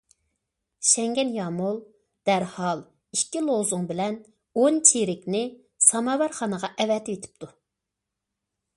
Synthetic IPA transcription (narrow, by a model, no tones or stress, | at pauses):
ʃɛŋɡʲɛnjɑːmulˠ | d̪̥æɾhɑlˠ | ikʲːilˠozʊŋbɪlɛn | ont͡ʃʰeɾɪkʲnɪ | sɑmɑːwɛɾχɑnəʁɑʔɛvɛt̪ʰɪet̪ʰɪ̥p̚t̪ʰu